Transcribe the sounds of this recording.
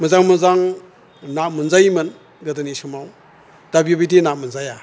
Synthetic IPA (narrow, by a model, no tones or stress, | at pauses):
mɯzaŋmɯzaŋ | namunzajmɯn | ɡɐdɯnisɯmaw | d̥abjobidinak̚munzaja